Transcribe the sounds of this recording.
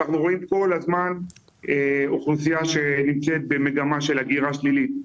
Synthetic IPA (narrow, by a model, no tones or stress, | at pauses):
aχnuʁo̞imko̞lazman | eoχlusijaʃenimt͡set̪̚be̞me̞ɡamaʃe̞laɡiʁaʃlilit̪̚